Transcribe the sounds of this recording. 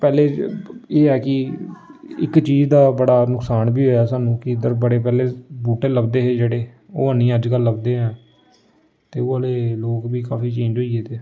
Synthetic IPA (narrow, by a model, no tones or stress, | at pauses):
pɛːleːeːɦɛːkɪ | ɪ̰kt͡ʃiːd͡ʒd̪aːbəɽaːnʊksaːnbiːɦoːaːsaːnũːkɪɪd̪əɾbəɽeːp̬ɛːleːbuːʈeːləbd̪eːɦeːd͡ʒeːɽeː | o̰ːəniːəd͡ʒkəlːəbd̪eːɦɛ̃ː | t̪eːʊːaːleːloːkbiːkaːfʰiːt͡ʃẽːɲd͡ʒɦoːieːt̪eː